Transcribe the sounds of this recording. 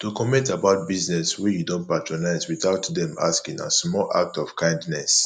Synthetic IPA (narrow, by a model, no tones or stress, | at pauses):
tukɔmɛ̃ntabaʊt̚biznɛswɛjudõntpatɹɔnaɪzwiθaʊtdɛ̃ma̰skĩŋã̰smɔlʔa̰k̚tɔv̥kʰãɪ̃ndnɛs